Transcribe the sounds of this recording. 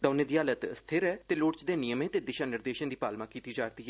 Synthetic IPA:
d̪aːneːd̪iːaːlət̪əst̪ʰɪɾɛːt̪eːloːʈt͡ʃd̪eːnɪjəmẽːt̪eːd̪ɪʃaːnɪɾd̪eːʃənd̪iːpaːlmãːkiːt̪iːd͡ʒaːɾt̪iːɦɛ

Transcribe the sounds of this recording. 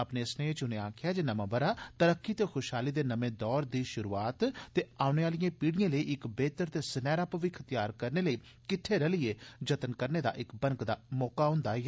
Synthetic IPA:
əpneːsneːt͡ʃʊnẽːaːkʰɪjaːd͡ʒeːnəmãːbəɾaːt̪əɾəkːiːt̪eːxʰʊʃɦaːliːd̪eːnəmẽːd̪ɔːɾd̪iːʃʊɾuːaːt̪t̪ːeːaːʊneːaːlɪjãːpiːɽɪjãːləiːʔɪkbeːt̪əɾt̪eːsənɛːɾaːpəʋiːkʰət̪ɪjaːɾkəɾneːləiː | kɪʈʰːeːɾɛlɪeːd͡ʒət̪ənkəɾneːd̪a̰ːʔɪkbənkd̪aːmɔːkaːɦʊ̃ːnd̪aː

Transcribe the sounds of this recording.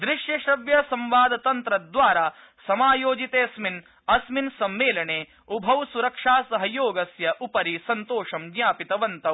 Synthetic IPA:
d̪ɾiʃjɐʃɐʋjɐsɐmʋaːd̪ɐt̪ɐnt̪ɾɐd̪ʋaːɾaː | sɐmaːjoːd͡ʒit̪eːɐsmin | ɐsminsɐmːeːlɐɳeː | ubʱɐʋsuɾɐkʂaːsɐɦɐjoːɡɐsjɐʔupɐɾisɐnt̪oːʂɐmɡjaːpit̪ɐʋɐnt̪ɐ

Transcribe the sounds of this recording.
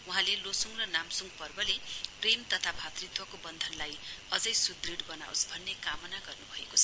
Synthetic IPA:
uɦãlelosuŋrʌnamsuŋɡpʌrbʌlepremt̪ʌt̪ʰabʱat̪rit̪wʌkobʌnd̪ʱʌnlajʌd͡zʌjsud̪riɽbʌna̰o̰sbʱʌnːekamʌnaɡʌrnubʱʌekot͡sʰʌ

